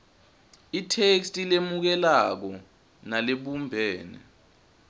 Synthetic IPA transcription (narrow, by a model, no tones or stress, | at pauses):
itʰekstʼilemuk̬ɛlak̬ɔ | naleɓumbʱɛːnɛ̰